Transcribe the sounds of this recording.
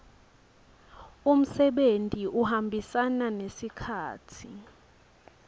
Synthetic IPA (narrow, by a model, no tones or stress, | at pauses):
um̩sɛɓentʼiʔuhambʱisananesikʰaːtʰi